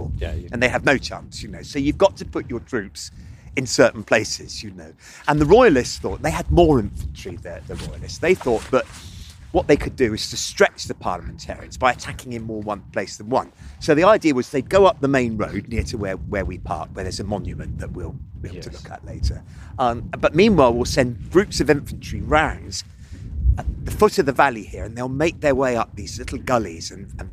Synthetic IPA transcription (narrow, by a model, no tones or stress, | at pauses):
ɨ̃nðeɪɨvnoʊt͡ʃʰæ̰̃nsjɨnoʊsoʊjʉvɡɑtʰɨpʰʊt͡ʃə˞tʰɹ̥ʉˑpsɨ̃nsɜ˞ʔn̩pʰl̥eɪsɪz̥jɨnoʊ | ə̃nðəɹɔɪəlɪstsθɔ̰ʔ̚ðeɪɨd̚mɔːɹɪ̃ɱfə̃n̩tʰɹ̥iðəðəɹɔɪəlɪstsðeɪθɔˑt̚b̥ʌʔ̚wʌʔ̪̚ðeɪkʰɨdɨɪz̥tʰɨstɹ̥ɛt͡ʃðɨpʰɑ̰ɹləmɨ̃n̩tʰɛ̰ɹḭɨ̰̃nzbaɪɨtʰakɪ̃ŋɨ̃mmɔːɹwʌ̃npʰl̥eɪsðə̃nwʌ̰̃nsoʊðiaɪdɪəwʌzðeɪɡoʊʌp̚ðəmẽɪ̃nɹo̰ʊdⁿnɪɹtʰəwəwə˞wipʰɑ̰ɹʔ̚wə˞ðə˞zɨmɑ̃njɨmɨ̰̃nðəʔ̚wilˠwitʰəlʊkʰə̰ʔlḛɪtə˞ | ʌ̃b̥ʌt̚mĩnwaɪlˠwɪlˠsɛ̃nbɹʉpsʌvɪ̃ɱfnt͡ʃɹ̥iɹãʊ̃nz̥ | ðəfʊɾʌvðəvalˠihɪɹɨ̃nðeɪlˠmeɪk̚ðə˞weɪʌp̚ðizlɪɾˡl̩ˠɡʌlḭzɨ̃nə̃n